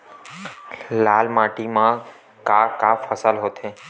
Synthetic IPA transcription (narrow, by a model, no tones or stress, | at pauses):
lalmaʈimã | kakafəsalɦot̪ʰe